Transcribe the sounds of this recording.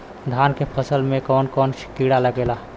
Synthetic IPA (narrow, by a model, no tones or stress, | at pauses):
d̪ʱaːnkepʰəsəlmẽkɔːnkɔːnkiɽaləɡeːla